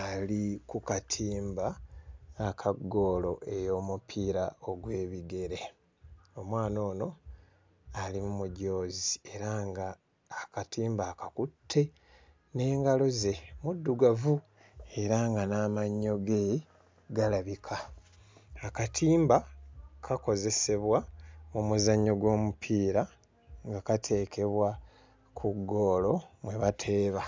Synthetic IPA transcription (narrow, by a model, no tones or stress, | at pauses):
alikukatʰiːmbaː | kʰaɡːo̞ːlo̞ʔe̞jo̞ːmupʰiːɾao̞ɡwe̞ːβiɡe̞ɾe̞ | o̞mwaːno̞ːno̞ | alimumuɟo̞ːzie̞ɾaŋɡaː | katʰiːmbaːkakutʰːe̞ | ne̞ːŋɡalo̞ze̞mudːuɡavu | e̞ɾaŋɡanaːmaɲːo̞ɡe | ɡalaβikʰaː | katʰiːmbakʰako̞ze̞se̞βwaomuzaɲːoɡwo̞ːmupʰiːɾa | ŋɡakatʰe̞ːkʰe̞βwa | kʰuɡːo̞ːlo̞mwe̞βatʰe̞ːβa